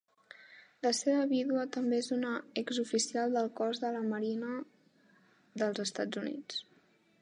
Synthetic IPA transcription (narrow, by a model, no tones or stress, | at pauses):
ləseβəβiðuət̪əmbeezunəɛɡzufisialˠd̪əlˠkɔzðələməɾinə | ðəlˠzəst̪ad͡zunḭt͡s